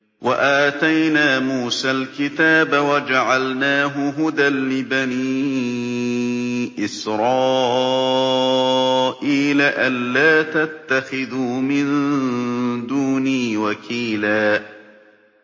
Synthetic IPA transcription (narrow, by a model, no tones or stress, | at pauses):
waʔaːt̪ajnaːmuːsalkɪt̪aːbawad͡ʒaʕalnaːɦʊɦʊd̪alːɪbaniː | ʔɪsɾˤɑː | ʔiːlaʔanːaːt̪at̪ːaxɪðuːmɪn | d̪uːniːwakʰiːlaː